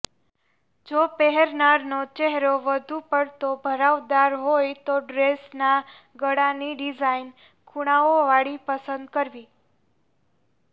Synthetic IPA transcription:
d͡ʒopɛɦɛɾnaɾnot͡ʃɛɦɾoʋəd̪ʱupəɽt̪obʱəɾaʋd̪aɾɦojt̪oɖɾesna | ɡəɽaniɖid͡ʒain | kʰuɽ̃aoʋaɽipəsə̃nd̪̚kəɾʋi

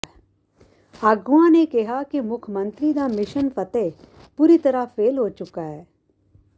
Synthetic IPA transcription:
aːɡʊãnekɪɦakimʊkʰmə̃nt̪ɾid̪amɪʃənfɐt̪e | puːɾit̪ɐɾafʰeːlɦoːt͡ʃʊkaɦɛː

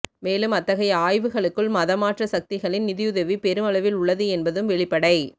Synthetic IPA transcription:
meːlɯmɐt̪ːɐɣɐjɐaːjʋɯɣɐɭɯkːɯɭmɐðɐmaːʈrɐsɐk̚t̪ɪɣɐɭɪnnɪðɪjɯðɐʋipɛɾɯmɐɭɐʋɪlʊɭːɐðɯɛnbɐðɯmʋɛɭɪpːɐɽɐɪ

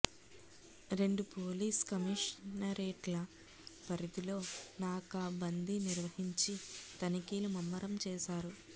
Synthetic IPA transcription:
ɾe̞ɳɖupoːliːskɐmiʂnɐɾeːʈlɐ | pɐɾid̪ilo̞ːnaːkaːbɐnd̪iniɾʋɐhiɲt͡ʃit̪ɐnikiːlumɐmːɐɾɐmt͡ʃɛːʃaːɾu

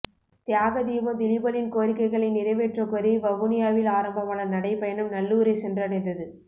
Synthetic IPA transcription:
t̪jaːɣɐd̪iːʋɐd̪ɪlɪbɐnɪnkoːɾɪkːɐɪɣɐɭɐɪnɪɾɐɪʋeːʈrɐkɔɾiʋɐʋɯnɪjaːʋɪlaːɾɐmbɐmaːɭɐnɐɽɐɪpɐjɐnɯmnɐlːuːɾɐɪsɛndrɐɽɐɪnd̪ɐðɯ

